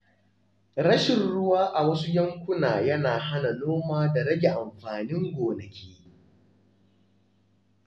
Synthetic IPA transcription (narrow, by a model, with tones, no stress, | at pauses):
ɽɐ˦ʃɪ˨nɽʊ˦waː˦ʔa˨wɐ˦su˦jɐ˦ŋkʷʊ˦naː˨jɐ˦naː˨ɦa˦na˨noː˦maː˦da˨ɽɐ˦ɡʲe˨ʔa˨mɸaː˨nɪ˦ŋɡʷoː˨nɐ˨kʲʰeː˦